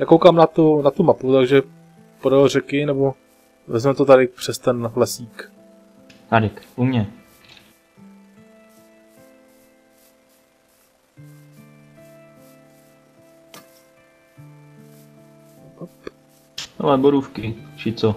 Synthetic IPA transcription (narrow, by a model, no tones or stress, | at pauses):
jakowkaːmnat̪unat̪umaput̪aɡʒɛ | poɾolrɛkɪnɛbo | vɛzmɛt̪ot̪adɪpr̝̥ɛst̪ɛnɦlɛsiːk | t̪aɾɪkʔumɲɛ | pp | na̰mɛboɾufkɪt͡ʃɪt͡so